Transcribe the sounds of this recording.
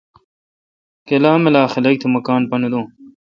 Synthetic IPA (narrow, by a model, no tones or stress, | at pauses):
kelaːmelaːxilɐk̚t̪ʰimɐkaːnpɐnud̪õː